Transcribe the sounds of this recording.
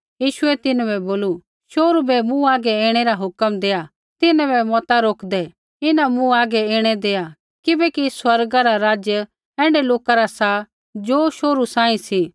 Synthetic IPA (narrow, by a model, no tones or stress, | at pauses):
jiːʃʊɛt̪ɪnbɛboːlu | ʃoːɾubɛmũaːɡɛeːɽ̃ɛɾaɦʊkəmd̪eːja | t̪ɪnãbɛmɔːt̪aɾoːkʰd̪ɛ | ɪnãmũaːɡɛeːɽ̃ɛd̪eːja | kɪbɛkiswɐɾɡaɾaɾaːd͡ʒjə | ɛ̃ːɳɖɛloːkaɾasa | d͡ʒoːʃoːɾusãːĩsiː